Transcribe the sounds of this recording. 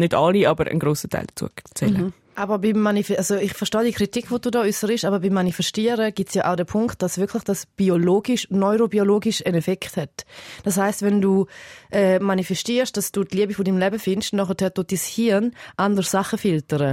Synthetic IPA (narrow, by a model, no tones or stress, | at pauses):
nɪdɑliʔɑbəɾə̰nɡɾoːsətʰa̰ɪld̥ḁt͡sṵət͡sɛ̰lə | ʔabəbimːanifɛazoɪχfɛɐʃtɑːdiəkʁitikʰvod̥uːdɔːysəɾɪʃabəbimːanifɛstiəɾəɡ̥itsjaʔaʊdɛpʰʊŋkt̚d̥asv̥ɪɐkʰlɪχd̥asb̥ioloːɡiʃnɔʏɾobioloːɡɪʃənɛfɛkthɛtd̥ashaɪstvɛnduːʔɛːmanifɛstiːɐʃd̥asd̥uːtliəbifodimlɛbəfɪnʃnɔχətʰɛɐtotd̥ishiɐnʔandəʁsaχəfɪltəɾə